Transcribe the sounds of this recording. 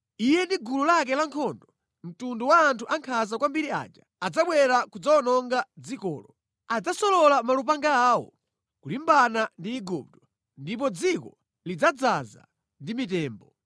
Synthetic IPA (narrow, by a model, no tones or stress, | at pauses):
ijɛndiɡululak̬ɛlaŋkʰɔndɔ | m̩tunduwaːntʰuʔaŋkʰazakwambiɾia̰ːd͡ʒaad͡zaɓwɛɾakud͡zaɔnɔŋɡad͡zikɔ̰ːlɔ | ad͡zasɔlɔlamalup̬aŋɡaːwɔ̰ | kulimbanandiːɡup̚tɔ̥ | ndip̬ɔd͡zikɔ | lid͡zad͡zaza̰ | ndimitɛːmbɔ